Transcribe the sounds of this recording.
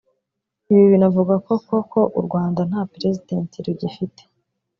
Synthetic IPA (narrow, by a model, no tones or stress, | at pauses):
iβiβinavuɡako̞ko̞ko̞ʔṵɾɡwaːndan̥haːpɾe̞zideːntʰiɾuɟifite̥